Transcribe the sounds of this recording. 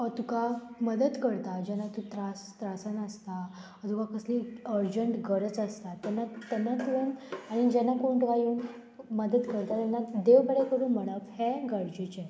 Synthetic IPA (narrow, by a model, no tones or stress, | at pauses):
ɔt̪ukaməd̪əd̪kəɾt̪ad͡ʑɛnːat̪ut̪ɾast̪ɾasənəst̪a | ət̪ukakəsliəɾd͡ʑəɳʈɡəɾət͡səst̪at̪ɛnːat̪ɛnːat̪ənaɽ̃id͡ʑɛnːakoɳʈəkajeun | məd̪əd̪kəɾt̪at̪ɛnːad̪eʋbəɽɛkəɾuːnm̤əɽ̃əphɛɡəɾd͡ʑit͡ɕe